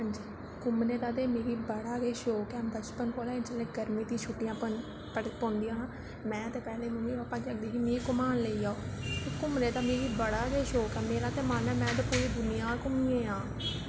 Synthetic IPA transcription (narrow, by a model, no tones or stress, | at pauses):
ɦãːɲd͡ʒiː | kʊmneːt̪aːt̪̬eːmeːɾiːbəɽaːɡeːʃoːkɛːbət͡ʃpənkoːlaːɪnt͡ʃəleːɡəɾmiːt̪ĩːʃʰuʈːijãː | pəpɔ̃ːnd̪iːjãː | mɛ̃ːət̪eːpɛːleːnũːiːoəpãːd͡ʒləɡ̚d̪iːkimĩːkʊmaːnleːiːaːoːteːkʊmneːt̪aːmeːɾiːbəɽaːɡeːʃoːkɛːmeːɾaːt̪eːmaːnɛːmɛ̃ːt̪eːpoːɾiːd̪ʊnɪjaːkʊmiːẽːãː